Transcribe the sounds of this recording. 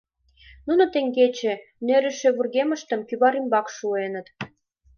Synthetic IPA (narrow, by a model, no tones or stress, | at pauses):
nunŏt̪eŋɡet͡ɕĕ | nøɾɘ̆ʃĕβurɣemə̆ʃt̪ə̆mkyβɑɾimbɑkʃuenə̆t̪